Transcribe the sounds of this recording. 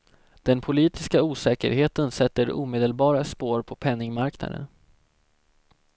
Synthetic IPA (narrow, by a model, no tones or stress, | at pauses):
d̪̥ɛnpʰʊliːt̪ɪskauːsɛːkə̰ɾheːt̪ənsɛt̪ːəɾṵːmeːd̪əlbɑːɾaspoːɾpʰɔpʰɛnːɪŋmaɾkna̰d̪ə̰n